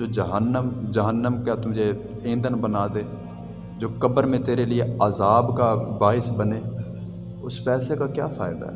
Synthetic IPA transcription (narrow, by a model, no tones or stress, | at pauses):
d͡ʒoːd͡ʒəɦənːəmd͡ʒəɦənːəmkaːt̪ʊd͡ʒeː | ẽːnd̪ənbənaːd̪eː | d͡ʒoːkəbəɾmẽːt̪eːɾeːlɪeːaːzaːbkaːbaːɪsbəneː | ʊspɛːseːkaːkja̰ːfʰaːɪd̪a̰ːɦ